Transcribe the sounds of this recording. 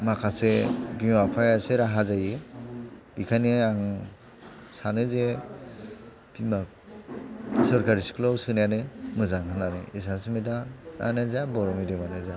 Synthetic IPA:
makʰasebimapʰajaseɾaɦazajɯ | bikʰaneaŋ | sanɯze | b̥ima | sɯɾkaɾisi̥kʰɯlawsɯnajanɯmɯzaŋhʰɯnanɯ̰is̬asmidaa̰nezabɔɾɔmidemaneza

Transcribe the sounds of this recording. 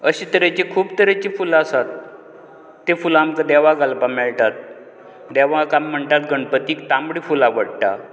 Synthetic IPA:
əɕit̪əɾet͡ɕikʰuːbt̪əɾet͡ɕifulasat̪ː | efulamkəd̪ɛʋaɡalpamɛɭʈat̪̚ | d̪ɛʋãkam̤ːəɳt̪at̪ɡəɳpət̪iːkt̪ambɽifulaʋəɽʈa

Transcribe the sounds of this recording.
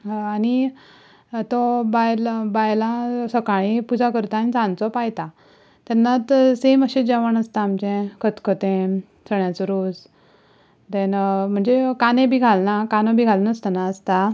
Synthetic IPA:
ani | t̪ɔbajlbajlãsəkaɭĩpud͡zʱakəɾt̪aːnit͡sãnt͡sɔpajt̪a | t̪anːat̪seməɕed͡ʑaʋəɳəst̪aːmt͡ɕẽkʰət̪kʰət̪ẽ | t͡səɳjasuɾus | t̪ɛnm̤əɳd͡zekanẽbʱiɡʱalnakanɔ̃bʱiɡʱalnəst̪anaəst̪a

